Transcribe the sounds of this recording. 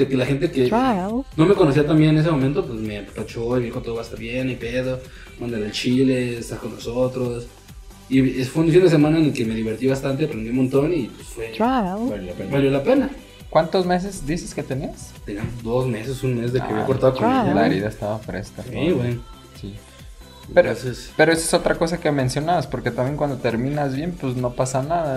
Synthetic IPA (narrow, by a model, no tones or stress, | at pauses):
d̪̥ekelaxe̞nt̪̬ekeano̞me̞ko̞nos̬iat̪ambje̞nenes̬emo̞mẽnt̪opwesmepat͡ʃoiβjexot̪oðoast̪aβjenajpeðo | mand̪eɾelt͡ʃileːst̪ako̞nlosot̪ɾos | iesfeunfind̪es̬e̞mãnaenelkeme̞ðiβ̞e̞ɾt̪iβast̪ant̪eapɾend̪iumont̪o̞nipwe̥sfwet͡ʃaaljoapeβaljo̞lape̞na | kwant̪o̞zme̞s̬e̞zd̪isesket̪enest̪eniamod̪o̞zme̞sesunmezðekeaβjakoɾt̪aðokolaḛɾiðaest̪aβafɾe̞̰skasoβwen | si | peɾoosespeɾoesaesot̪ɾako̞sakemẽ̞nsjo̞naβaspo̞ɾket̪ambjeŋkwand̪o̞t̪e̞ɾmĩnazβje̞npuzno̞pasanaða